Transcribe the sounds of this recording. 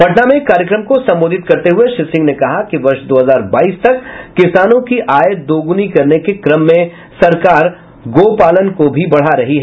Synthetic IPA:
pɐʈnamẽkːaːɾjəkɾəmkosɐ̃mboːd̪ʱɪt̪kɐɾt̪eɦʊeʃɪsɪ̃ŋɡnekɐɦakiʋɐɾʃd̪oːɦəzaːɾbaːiːst̪ɐkːɪsaːnõkiʔaːjət̪̚d̪oːɡʊnikɐɾnekekɾɐmːẽ | sɐɾkaːɾ | ɡoːpaːlənkobʱibɐɽ̤aɾɐɦiɦɛ

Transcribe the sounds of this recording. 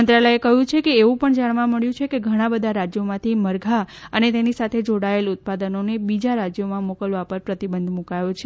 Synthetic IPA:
ənt̪ɾaləjekəɦjũt͡ʃʰekeːʋũpəɳd͡ʒaɽ̃ʋãməɭjũt͡ʃʰekeɡʱəɽ̃ãbəd̪ʱaɾad͡ʒjomãt̪ʰiməɾɡʱaənet̪enisat̪ʰed͡ʒoɽaelʊt̪̚pad̪ənonebid͡ʒaɾad͡ʒjomãmokəlʋapəɾpɾət̪ibənd̪ʱmukajot͡ʃʰe

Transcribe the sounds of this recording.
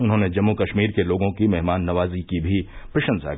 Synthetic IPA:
ʊnɦõːned͡ʒɐmːukɐʃmiːɾkeloːɡõkimɛɦmaːnːɐʋaːzikibʱipɾɪʃə̃nza̰ː

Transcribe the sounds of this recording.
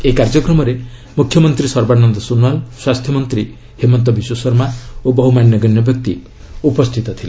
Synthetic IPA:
ekaɾd͡ʒɔkɾɔmɔɾe | mukʰjɔmɔnt̪ɾisɔɾbanɔnd̪ɔsunwalswast̪ʰjɔmɔnt̪ɾi | himɔnt̪̬ɔbiswɔsɔɾmaobɔɦumanjɔɡɔnjɔbjɔk̚t̪i | upɔst̪ʰit̪ɔt̪ʰile

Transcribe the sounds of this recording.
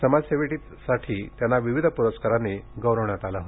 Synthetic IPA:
səmad͡zseʋeʈiːt̪saʈʰiːt̪janːaʋiʋid̪ʱəpuɾəskaɾaneɡəwɾəʋɳjat̪alaɦo

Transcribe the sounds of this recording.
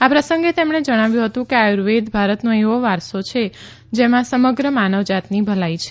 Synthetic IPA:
apɾəsəŋɡet̪emɳed͡ʒəɽ̃aʋjũɦət̪ũkeajuɾʋed̪bʱaɾət̪nõeʋoʋaɾsot͡ʃʰe | d͡ʒemãsəməɡɾəmanəʋd͡ʒat̪nibʱəlajt͡ʃʰe̥

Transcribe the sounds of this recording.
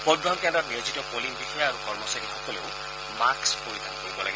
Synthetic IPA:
pɔbɹɔɦɔnkɛndɹɔtniozitɔkolinbixɔjaaɹukɔɹmɔsaɹixɔkɔleʊ | makspoɹit̪ʰankoɹibɔla̰ɡi

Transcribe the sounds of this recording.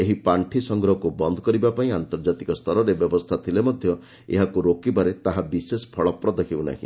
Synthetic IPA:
eɦipaɳʈʰisɔŋɡɾɔɦɔkubɔnd̪ʱɔkɔɾibapaĩant̪ɔɾd͡ʒat̪ikɔst̪ʰɔɾɔɾebjɔbɔst̪ʰat̪ʰilemɔd̪ʱjɔ | ḛɦakuɾokibaɾet̪aɦabisespʰɔɭɔpɾɔd̪ekʰibuna̰ɦḭ̃

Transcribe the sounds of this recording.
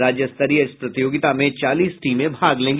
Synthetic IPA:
ɾaːd͡ʒjəst̪əɾiəɪspɾɐt̪ijoːɡɪt̪amẽt͡ʃaːliːsʈiːmẽbʱaːɡlẽːŋɡ

